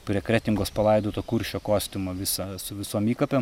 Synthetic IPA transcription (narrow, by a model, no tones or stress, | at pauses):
ɾʲɛkɾʲæːt̪ʲɪŋɡoːspɐlˠɐɪd̪oːt̪oːkʊɾʲʃʲoːkoːsʲt̪ʲɪmoʋʲɪsɐsʊʋʲɪsoːmiːkɐpʲem